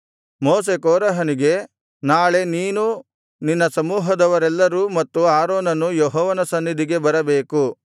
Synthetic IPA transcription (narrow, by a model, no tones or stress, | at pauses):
moːse̞kɔːɾɐɦɐniɡe̞ | naːɭe̞niːnu | ninːɐsɐmuːɦɐd̪ɐʋɐɾɛlːɐɾumɐt̪ːuaːɾoːnɐnujɔɦɔːʋɐnɐsɐnːid̪ʱiɡe̞bɐɾɐbeːku